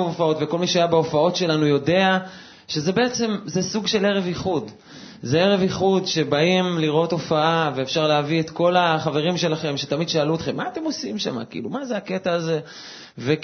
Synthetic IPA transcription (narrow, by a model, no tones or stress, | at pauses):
ofao̞t̪veko̞lmiʃeajabeofao̞tʃe̞lanujo̞de̞a | ʃe̞zebe̞et͡se̞mzesuɡʃe̞le̞ʁe̞viχud | zeeʁe̞viχudʃe̞baimliʁo̞to̞faaveːfʃaʁleaviet̪ko̞laχave̞ʁimʃe̞laχe̞mʃet̪amid̪ʃaaluot̪χe̞mːaːt̪e̞mo̞simʃa̰ma̰kiḭlumazeaket̪aːze̞ | ve